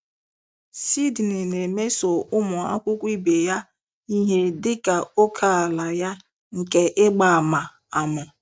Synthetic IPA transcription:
si˦dnɪ˨ne˨me˦so˨ʔʊ˦mʊ˨a̰˦kʷʊ˦kʷi˦be˨ja˦ | i˦ɦe˦dɪ˦ka˨o˦kʰa˨a˨la˨ja˦ | ŋ̩˨ke˨ʔɪ˦ɡ͡ba˨ma˨ | a˨mʊ˨

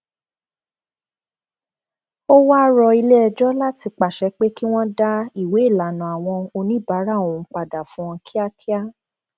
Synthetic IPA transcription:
o˦wa˦ɾɔ˧i˧le˦ɛ˧d͡ʒɔ˦la˦ti˧k͡pa˨ʃɛ˧˦k͡pe˦ki˦w̃ɔ̃˦da˦i˨we˨˦i˦˨la˨nũ˨a˨w̃ɔ̃˧o˧nĩ˦ba˨˦ɾa˦˨õ˨˦k͡pa˨da˨fũ˨˦ɔ̃˧kʰi˦a˦kʰi˦a˦

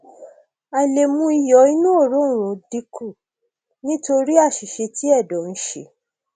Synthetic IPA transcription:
a˨le˨mũ˧i˧jɔ˨˦i˦nũ˦o˦˨ɾõ˨˦˨ɾ̃ũ˨˦di˨˦kʰu˦˨ | nĩ˦to˧ɾi˦a˦˨ʃi˨ʃe˧ti˦ɛ˦˨dɔ˨˦n̩˧˦ʃḛ˨

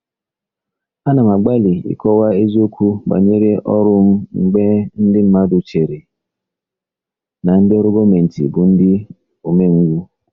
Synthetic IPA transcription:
a˦na˨m˨a˨ɡ͡ba˦li˨ḭ˦kɔ˦wa˦e˦zi˦o˦kʰʷu˦ba̰˨ɲe˦ɾe˦ʔɔ˦ɾʊ˦m̩˦ŋ͡m̩˨ɡ͡be˦n̩˦dɪ˦m̩˦ma˦dʊ˨t͡ʃe˨ɾe˨ | na˨n̩˦dɪ˦ɔ˦ɾʊ˦ɡo˦me˨n̩˨tḭ˨bʊ˨n̩˦dɪ˦ | o˨me˦ŋ̩˦ɡʷu˦

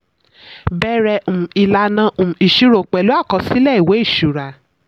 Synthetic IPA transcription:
bɛ˦ɾɛ˧ũ˨i˨la˧nã˧ũ˨i˨ʃi˧ɾo˨k͡pɛ˨lo˨˦a˦˨kɔ˧˦si˦lɛ˦˨i˨we˨˦i˦˨ʃu˨ɾa˨

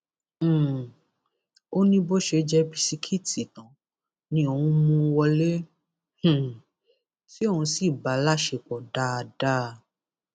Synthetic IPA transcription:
o˦nĩ˦bo˦ʃe˧d͡ʒɛ˦bi˧si˧kʰi˦ti˨tã˨˦ | nĩ˧o˧wũ˧˦mũ˧wɔ˧lẽ˦˨ | si˦o˦˨ũ˧si˦˨ba˨˦la˦ʃe˧k͡pɔ˨da˦a˧da˦˧

